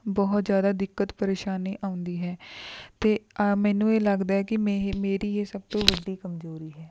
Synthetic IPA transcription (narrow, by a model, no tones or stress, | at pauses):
bɔːt̪zjaːd̪aːd̪ɪkːət̪pəɾeːʃaːniːʔãːʊ̃nd̪iːɦɛːt̪eːmɛːnũːeːləɡd̪aːɦɛːkɪmeːɾiːeːsəbt̪õːʋəɖːiːkəmzoːɾiːɦɛː